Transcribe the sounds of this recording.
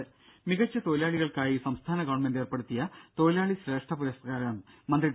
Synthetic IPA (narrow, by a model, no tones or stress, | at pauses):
miɣɐt͡ɕːɐt̪o̞ːjilaːɭiɣɐɭkaːjisɐmst̪ʰaːnɐɡɐʋɐɳmende̞ːrpeɽut̪ːijɐt̪o̞ːilaːɭiɕɾe̞ːʂʈɐpuɾest̪ɐɡaːɾɐnɐmmɐnd̪ri